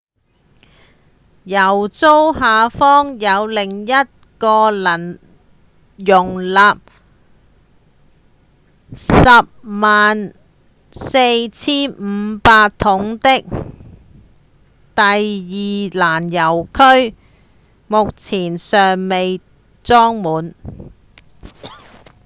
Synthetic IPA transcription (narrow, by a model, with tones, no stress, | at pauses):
jɐ˨˩wt͡so˥wɦaː˨˧fɔː˥ŋjɐ˨˧wlɪ˨˩ŋjɐ˥t̚kɔː˧lɐ˨˩n | jʊ˨˩ŋlaː˨p̚ | sɐ˨p̚maː˨n | se˧jt͡sʰiː˥nm̩˨˧paː˧t̪ʰʊ˨˥ŋt̪ɪ˥k̚ | t̪ɐ˨jjiː˨laː˨˩njɐ˨˩wkʰɵ˥ɥ | mʊ˨k̚t͡sʰiː˨˩nsœː˨ŋme˨j | t͡sɔː˥ŋmuː˨˥n